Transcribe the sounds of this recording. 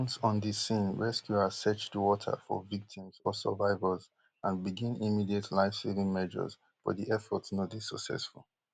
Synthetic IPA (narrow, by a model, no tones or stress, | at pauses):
ɔ̃nsɔ̃ndisĩnɹɛskjuasɛt͡ʃdəwɔtʰə̰fɔ̰vik̚tʰĩmz̥ɔsə̰vaɪvəz | ãnbiɡĩnimidietʰlaɪfsivĩŋmɛʒə̰z̥ | fɔ̰diʔɛfɔtsnodisəksɛ̰sfulˠ